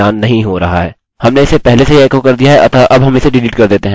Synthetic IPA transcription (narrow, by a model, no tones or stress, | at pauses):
aːnːɐɦĩɦoɾɐɦaɦɛː | hɐmneɪsːepɛɦleseɛːkokɐɾd̪ijaɦɛʔɐ̰t̪ʰaʔɐbɦɐmɪseɖɪliːʈkɐɾd̪eːt̪eɦɛ̃